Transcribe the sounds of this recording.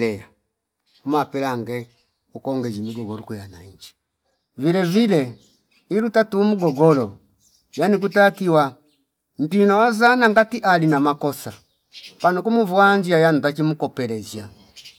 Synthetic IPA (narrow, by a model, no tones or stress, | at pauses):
ɛa | umapɛlaŋɡɛ | ukɔŋɡɛd͡ʒimiɡɔɡɔlɔkujana̰ɲd͡ʒi̥ | vilɛvilɛ | iɾutatumuɡɔɡɔlɔ | janik̬utakiwa | n̩tinawazanaŋɡatiʔalinamakɔsa | panukumuvwaɲd͡ʒiajanutat͡ʃimukɔpɛɾɛza